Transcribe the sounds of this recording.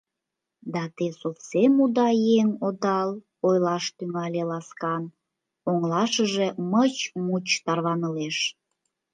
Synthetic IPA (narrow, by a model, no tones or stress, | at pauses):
d̪ɑt̪esofsemud̪ɑjeŋod̪ɑl | ojlɑʃt̪yŋɑlʲelɑskɑn | oŋlɑʃəʒemət͡ɕmut͡ɕt̪ɑrβɑnəleʃ